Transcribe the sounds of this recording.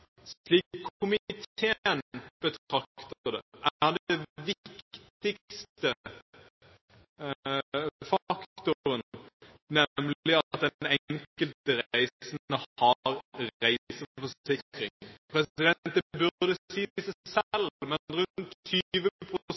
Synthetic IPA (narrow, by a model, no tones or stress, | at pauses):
sliːkʰːʊmɪt̪ʰeːənb̥ət̪ʰʁɑkt̪əd̪ɛ̰ʔæd̪ɛʋɪkt̪ɪkst̪ə | fɑkt̪t̪ʊɾən | nɛmlɪɑt̪̚d̪ɛɛŋŋkəltt̪əɾæɪsnəhɑɾɾæɪsəfɔsɪkɾɪŋpʰɾɛsɪd̪ɛn̚əbʉd̪əsiːsæɪsɛlmɛnɾʉnt̪ʰːyʋəpʰʁʊʊs